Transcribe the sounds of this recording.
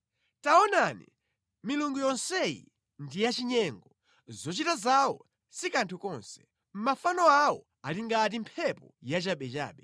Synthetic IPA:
taɔnanḭ | miluŋɡujɔnsɛjḭ | ndijat͡ʃiɲɛŋɡɔ | zɔt͡ʃitazawɔ̰ | sikantʰukɔnsɛ̥ | m̩mafanɔawɔ | aliŋɡatim̩pʰɛpɔjat͡ʃaɓɛt͡ʃa̰ːɓɛ

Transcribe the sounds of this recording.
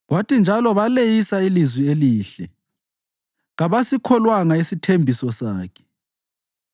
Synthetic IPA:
ɣwatind͡ʒʱalɔβalejisailizwieliːɬɛ | ɣaβasikʰɔlwaŋaesitʰembʱisɔsaːkʰɛ̥

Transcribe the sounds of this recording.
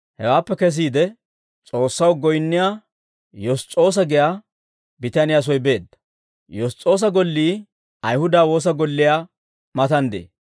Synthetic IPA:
hɛ̰waːpːɛkɛs̬iːd̪ɛ | t͡sʼo̞ːsːɐwɡɔjnːɪjaː | jɔst͡sʼːo̞ːs̬ɐɡɪjaː | bɪt̪anɪjas̬ɔjbe̞ːd̪ːɐ̥ | jɔst͡sʼːo̞ːs̬ɐɡɔlːiː | ɐjhʊd̪aːwo̞ːs̬ɐɡɔlːɪjaː | mɐt̪ɐnd̪ḛː

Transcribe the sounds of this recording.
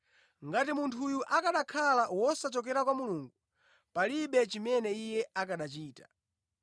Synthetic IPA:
ŋɡatimuntʰujuʔakaɗakʰalawɔsat͡ʃɔk̬ɛɾakwamuluːŋɡu | paliɓɛt͡ʃimɛnɛijɛakaɗat͡ʃiːtḁ

